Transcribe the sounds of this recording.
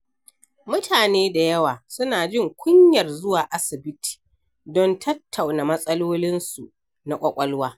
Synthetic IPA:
mʊ˦tʰaː˨neː˦da˨jɐ˦waː˨sʊ˦naː˨d͡ʒɪ˦˨ŋkʷʊ˦ɲjɐ˨rzʊ˦waː˨ʔa˦sɪ˨bɪ˦tʰi̥ː˨ | dɔ˦ntʰɐ˦tʰːa˨wna˨mɐ˦sʼɐ˦loː˦lɪ˦nsu˨ | na˨kʷʼɐ˦kʷʼɐ˦lwaː˦

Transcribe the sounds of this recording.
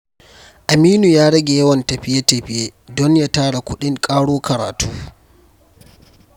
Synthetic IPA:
ʔa˨miː˦nu˨jaː˦ɽɐ˦ɡʲe˨jɐ˦wɐ˨ntɐ˨ɸɪ˦ja˦tɐ˨ɸɪ˦jeː˦dɔ˦ɲja˦taː˦ɽa˨kʷʊ˦ɗɪ˦ŋkʼaː˦ɽoː˦kɐ˨ɾa̰ː˨tʰuː˦

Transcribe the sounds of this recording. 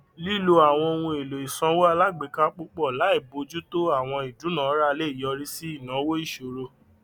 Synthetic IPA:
li˦˨lo˧a˨w̃ɔ̃˧o˧wũ˧e˨lo˨i˨sã˧˦wo˦a˧la˦ɡ͡be˨˦ka˦k͡po˦k͡pɔ˦˨la˨˦i˦˨bo˨˧d͡ʒu˦to˦a˦˨w̃ɔ̃˧i˨du˨˦nã˨˦ɾa˦˧le˦˨jɔ˧ɾi˦si˦i˦˨nã˨˦wo˦i˦˨ʃo˨ɾo˧

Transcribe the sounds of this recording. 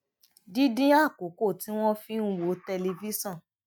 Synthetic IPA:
di˦dĩ˦a˦˨ko˨˦ko˦˨ti˨˦w̃ɔ̃˦fĩ˦n̩˦wo˨˦te˧le˧vi˦sɔ̃˦˨

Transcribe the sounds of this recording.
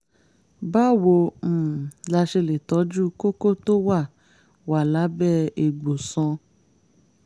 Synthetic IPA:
ba˦wo˧m̩̃˦˨la˧ʃe˧le˨tɔ˨˦d͡ʒu˦ko˦ko˦˨to˦wa˦˨ | wa˨la˨˦bɛ˦e˨ɡ͡bo˨sɔ̃˧

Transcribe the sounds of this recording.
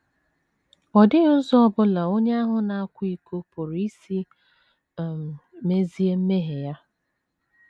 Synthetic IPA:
ɔ˨dɪ˦ʊ˦zɔ˦ɔ˦bʊ˦la˨o˦ɲe˦a˦ɦʊ˦na˨a˦kʷi˦ko˦pʊ˨ɾi˦si˦˨ | m˨me˦zi˦e˦m̩˦me˦ɦe˨ja˦

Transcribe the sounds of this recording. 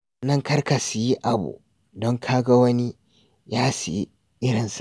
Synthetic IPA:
nɐ˦ŋkɐ˦rka˨su˨ji˦ʔa˨bṵ˨ | dɔ˦ŋkʰaː˦ɡa˦wɐ˦ni˦ | jaː˦si˨ji˦ | ʔɪ˦ɽɪ˨ns

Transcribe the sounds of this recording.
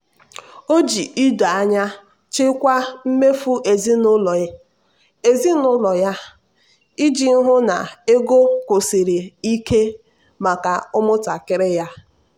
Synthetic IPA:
o˦d͡ʒi˨i˦da˨a˦ɲa˦ | t͡ʃɪ˦kʷa˦m̩˦me˦fu˦ʔe˨zi˦nʊ˦lɔ˨ɪ˦ | e˨zi˦nʊ˦lɔ˨ja˦ | i˦d͡ʒi˨n̩˦ɦʊ˦na˨e˦ɡo˦ko˨si˨ɾi˨i˦ke˦ | ma˨ka˨ʊ˦mʊ˦ta˨kɪ˦ɾɪ˦ja˦

